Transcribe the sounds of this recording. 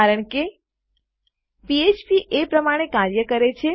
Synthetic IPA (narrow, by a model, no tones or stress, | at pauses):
aɾəɳke | piet͡ʃpiʔepɾəmaɽ̃ekaɾjəkəɾet͡ʃʰe